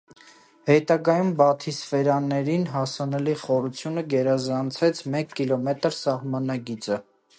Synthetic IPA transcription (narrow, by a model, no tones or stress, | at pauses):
hɛt̪ɑɡɑjumbɑt̪ʰisfɛɾɑnːɛɾinɦɑsɑnɛliχɔɾut͡sʰjunəɡɛɾɑzɑnt͡sʰɛt͡sʰmɛkːilɔmɛt̪əɾsɑhmɑnɑɡit͡sə